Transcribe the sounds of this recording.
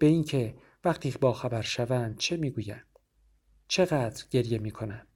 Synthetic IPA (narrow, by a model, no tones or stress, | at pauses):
b̥e̞iːncʰe̞ | væqt̪ʰiːbɒːxæbæɾʃævænd̪̥̚t͡ʃʰemiːɡuːjænd̪̥ | t͡ʃʰe̞ɣæːd̪ɾɟe̞ɾje̞miːkʰo̞næn̥